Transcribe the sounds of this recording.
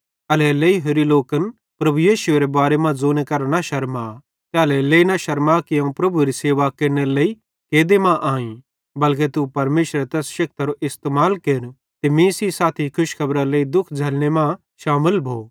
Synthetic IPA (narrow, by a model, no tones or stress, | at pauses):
ɐlɛleiɦoɾiloːkən | pɾɐbujiːʃʊeɾebaːɾemãd͡zoːnekɐɾanaʃɐɾma | t̪eɐlɛleːinaʃɐɾmakiɐ̃ũpɾɐbuɾiseːʋakeːɾneleːi | keːd̪emãʔaːĩ | bɐlk̬et̪upɐɾmeːʃɾet̪ɛːsʃɐk̚t̪aɾoʔɪst̪eːmaːlkeːɾ | t̪emĩːsisaːt̪ʰikʰʊʃkʰɐbɾaleːid̪ʊkʰd͡ʒʱɐlɽ̃emã | ʃaːmɪlbʱoː